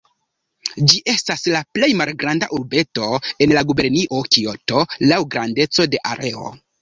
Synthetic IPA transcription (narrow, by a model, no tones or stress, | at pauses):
d͡ʒiʔe̞staslaple̞jmalɡɾanda̰ʔuɾbe̞to̞e̞nlaɡube̞ɾniʔo̞kio̞to̞lawɡɾande̞t͡so̞de̞ʔaɾʔe̞o̞̰